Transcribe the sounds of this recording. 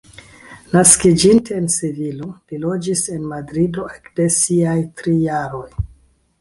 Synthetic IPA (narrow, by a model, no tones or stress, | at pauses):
naskid͡ʒinteːnsivilolilo̞d͡ʒise̞nmadɾido̞ekde̞siajtɾijaɾo̞j